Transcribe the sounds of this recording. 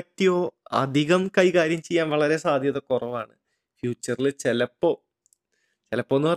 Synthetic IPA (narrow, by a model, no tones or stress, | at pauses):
tːijoːɐ̰d̪ʱiɣɐmkɐjkaːɾjɐmt͡ɕejːaːnʋɐɭɐɾe̞saːd̪ʱjɐðekurɐʋaːɳɨ | fjuːt͡ɕːɐrilɨt͡ɕelɐpːoː | t͡ɕelɐpːoːnːɨpɐ